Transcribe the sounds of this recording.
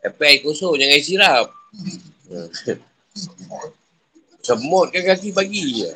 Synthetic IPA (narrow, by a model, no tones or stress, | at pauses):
ɛpɛikosod͡ʒaŋaisiɾap̚ | ə | səmɔt̪̚kakakipaɡḭ